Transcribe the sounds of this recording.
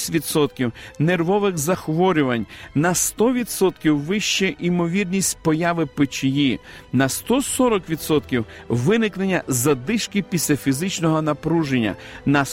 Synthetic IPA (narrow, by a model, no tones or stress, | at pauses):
ʋʲid̪sɔt̪̚kʲiwnerʋɔʋɪxzɐxʋɔɾʲʊʋɐnʲnɐst̪ɔʋʲid̪sɔt̪kʲiwʋɪʃt͡ʃɛʔimɔʋʲirnʲisʲtʲpɔjaʋɪpɪt͡ʃɪji | nɐst̪ɔsɔɾɔkʋʲid̪sɔt̪kʲiwʋɪnɪknenʲːɐzɐd̪ɪʃkɪpʲisʲlʲɐfʲizɪt͡ʃnɔɦɔnɐpɾuʒenʲːɐ̰ | nɐ